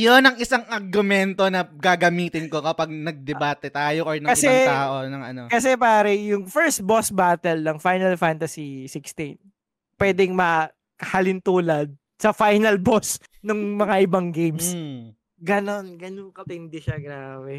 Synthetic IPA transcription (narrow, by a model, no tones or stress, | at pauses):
jonɐŋʔɪsaŋɐɾɡʊmɛnt̪onɐɡaːɡɐmiːt̪ɪnko̞kɐpɐɡ̚nɐɡ̚d̪ɛbaːt̪ɛt̪aːjoʔoɹnɐkɐsɪɛt̪aːʔonɐŋʔɐ̰nokɐs̬ɛpaːɾɐjʊŋfɛɹst̪̚bosbaːt̪ɛlnɐŋfajnɐlfant̪ɐsisɪkst̪in | pwɛːd̪ɛŋmɐ | kɐhɐlɪnt̪uːlɐd̪̚ | sɐfajnɐlbos | nʊŋmɐŋaʔɪbɐŋɡejms | ɡɐno̞nɡɐnoŋkɐp̪ɪnd̪ɪʃɐɡɾaːbɛ